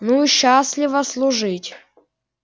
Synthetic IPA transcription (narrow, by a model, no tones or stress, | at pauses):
nuiɕːasʲlʲɪvəslˠʊʐɨtʲ